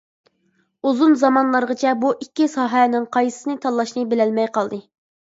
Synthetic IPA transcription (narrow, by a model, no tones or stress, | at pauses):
uzunzɑmɑnlˠɑɾʁət͡ʃʰɛbuʔikʲːisɑːɦɛnɪŋqʰɑjsɨ̥sɨnɨt̪ʰɑlˠːɑʃnɨbɪlɛlmɛjqɑlˠd̪ɨ